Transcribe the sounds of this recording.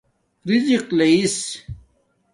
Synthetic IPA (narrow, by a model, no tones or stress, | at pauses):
ɾiziqleis